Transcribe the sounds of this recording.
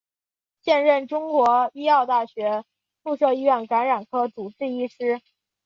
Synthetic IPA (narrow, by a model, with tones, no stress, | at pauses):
ɕjɛ˥˧nɻə˥˩nʈ͡ʂʊ˥ŋkwɔ˧˥i˥ɑ˥˧ʊt̪a˥˩ɕɥɛ˧˥ | fu˥˧ʂɤ˥˧ʊi˥ɥɛ˥˩nka˧˥nɻa˨˩nkʰɤ˥t͡su˨˩ʈ͡ʂɻ̩˥˩i˥ʂɻ̩˥